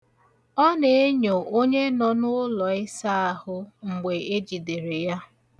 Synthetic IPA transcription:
ɔ˦ne˨e˦ɲo˨ʔo˦ɲe˦nɔ˦nʊ˦lɔ˨ɪ˦sa˦a˦hʊ˦ŋ͡m̩˨ɡ͡be˨e˦d͡ʒi˨de˨ɾe˨ja˦

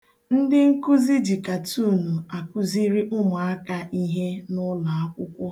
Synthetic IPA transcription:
n̩˦dɪ˦ŋ̩˦ku˦zi˦d͡ʒi˨ka˨tʰuː˦˨nu˨a˨ku˦zi˦ɾi˦ʔʊ˦mʊ˨a˦ka˦ʔi˦ɦe˦nʊ˦la˨a˦kʷʊ˦kʷʊ˦

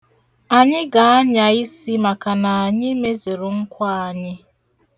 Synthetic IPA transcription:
a˨ɲɪ˦ɡa˨a˦ɲa˨i˦si˦ma˨ka˨na˨a˨ɲɪ˦me˦ze˨ɾʊ˨ŋ̩˦kʷa˦a˨ɲɪ˦

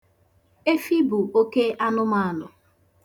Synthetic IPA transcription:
e˦fi˦bu˨o˦ke˦ʔa˦nʊ˦ma˦˨a˨nʊ˨

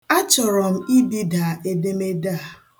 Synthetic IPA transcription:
a˦t͡ʃɔ˨ɾɔ˨m̩˦i˦di˦da˨e˨de˦me˦da˦˨

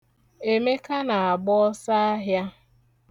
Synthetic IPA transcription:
e˨me˦ka˦na˨a˨ɡ͡bɔ˦ɔ˦sa˦a˦ɦja˦

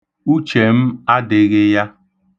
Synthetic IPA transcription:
u˦t͡ʃe˨m̩˦a˦dɪ˨ɣɪ˦ja˦

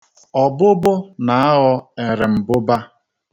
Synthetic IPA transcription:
ɔ˨bʊ˦bʊ˦na˨a˦ɦɔ˦e˨ɾɪ˨m̩˨bʊ˦ba˦

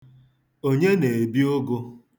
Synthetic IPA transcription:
o˦ɲe˦ne˨e˨bi˦o˦ɡo˦

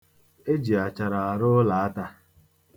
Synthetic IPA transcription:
e˦d͡ʒi˨a˨t͡ʃa˨ɾa˨a˨ɾʊ˦la˨a˦ta˦

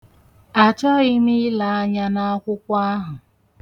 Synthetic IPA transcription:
a˨t͡ʃɔ˦i˦mi˦la˨a˦ɲa˦na˦a˦kʷʊ˦kʷa˦a˦ɦʊ˨

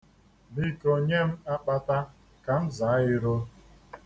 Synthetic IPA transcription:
ni˦ko˦ɲe˦m̩˦a˦k͡pa˦ta˦ | ka˨n̩˦za˨˦ɪ˦ɾo˦

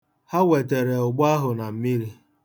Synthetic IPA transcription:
ha˦we˨t̬e˨ɾe˨ʊ˨ɡ͡ba˦ɦʊ˨na˨m̩˨mi˦ɾi˦

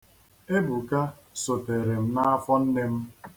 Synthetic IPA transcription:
e˦bu˨ka˦ | so˨te˨ɾe˨m̩˦na˦a˦fɔ˦n̩˦ne˦m̩˦

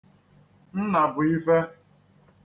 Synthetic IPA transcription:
n̩˦na˨bʊ˨i˦fe˦

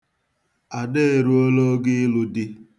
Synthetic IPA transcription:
a˨de˦e˨ɾu˦o˦lo˦ɡɪ˦lʊ˦dɪ˦

